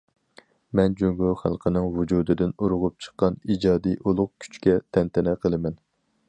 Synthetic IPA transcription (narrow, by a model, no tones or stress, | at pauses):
mɛnd͡ʒøŋɡoχæ̰lˠqʰənɨŋvud͡ʒuːd̪ɨd̪ɪnuɾʊʁʊp̚t͡ʃʰə̥qːɑnid͡ʒɑːd̪ijʔolˠʊq̚kʲʰy̥t͡ʃkʲɛt̪ʰɛnt̪ʰɪnɛqʰəlˠɨmɛn